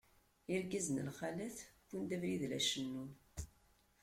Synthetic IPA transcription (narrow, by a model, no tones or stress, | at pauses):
iɾɡæzənə̰lχalæθkʷːund̪ævɾiðlæʃənːun